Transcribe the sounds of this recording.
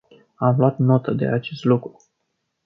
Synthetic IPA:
amluat̪no̞t̪əd̪e̞̰at͡ʃe̞st̪lukɾu

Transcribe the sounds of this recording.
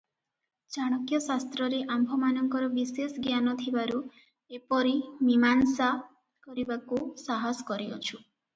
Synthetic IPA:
t͡ʃaɽ̃ɔkjɔsast̪ɾɔɾeʔambʱɔmanɔŋkɔɾɔbisesɡjanɔt̪ʰibaɾu | epɔɾimimansa | kɔɾibakusaɦɔsɔ̥kɔɾio̰t͡ʃʰu

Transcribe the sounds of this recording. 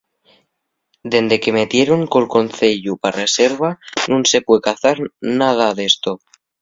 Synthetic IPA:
d̪e̞nd̪e̞ke̞me̞t̪je̞ɾo̞ŋko̞lko̞nθe̞ʎuparese̞ɾβanũnse̞pwekaθaɾnað̞aðe̞st̪o

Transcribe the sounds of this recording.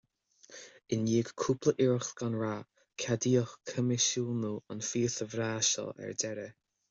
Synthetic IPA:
ɪnjiːɡkʰuplˠəʔɪɹxɡ̥anɹa | kʰadiːɔxkʰəmɪʃulnuanfiːθəvɾaːʃɔ̰lɛ̰ɹdɛɾə

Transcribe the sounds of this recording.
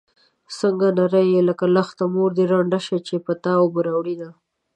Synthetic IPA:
səŋɡanaɾəjeləkalaxt̪amoɾd̪eɾaɳɖaʃat͡ʃepət̪ɑobəɾawɽid̪a

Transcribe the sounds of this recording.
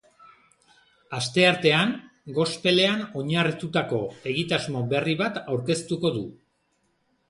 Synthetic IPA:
ast̪e̞aɾt̪e̞aŋɡo̞spe̞le̞ano̞ɲarit̪ut̪ako̞e̞ɣit̪azmo̞be̞riβat̪awɾke̞st̪uko̞ðu

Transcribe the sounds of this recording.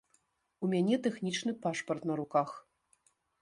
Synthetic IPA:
umʲanʲɛt̪ɛxnʲit͡ʂnɨpaʂpɐrt̪nɐɾukax

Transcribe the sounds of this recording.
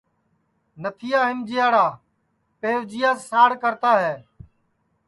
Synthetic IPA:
nət̪ʰɪjaːɦɪnd͡ʒɪjaːɽaː | peːʋd͡ʒɪjaːsaːɽkəɾt̪aːɦɛː

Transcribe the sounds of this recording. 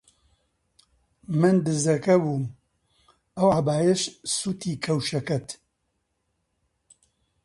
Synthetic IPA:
mɨnd̪ɨzɐkɐbuːm | ɐwaːbaːjɛʃsuːt̪ʰiːkʰɐwʃɐkɐt̪

